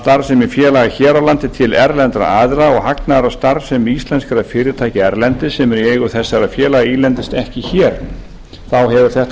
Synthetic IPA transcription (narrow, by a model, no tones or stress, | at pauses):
t̪aɾvsɛmɛɾ̥fjɛːlaɣaçɛːɾawlant̪ɪt̪ʰɪlɛ̰ɾlɛnt̪ɾa̰aːðɾaɔɣhaknaɾast̪aɾvsɛmist̪lɛnskaɾaðfɪːɾɪt̪ʰaːjcɪɛɾlɛnt̪ɪsɛmɛɾieːjɣʏθɛsːaɾaðfjɛːlaɣaiːlɛnt̪ɪst̪ɛhcɪçɛːɾ̥ | θawɦɛvʏɾ̥θɛht̪